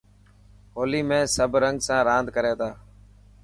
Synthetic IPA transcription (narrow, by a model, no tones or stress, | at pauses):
ɦoːliːmẽːsəbʱɾəŋɡsãːɾãːnd̪ʱkəɾeːt̪aː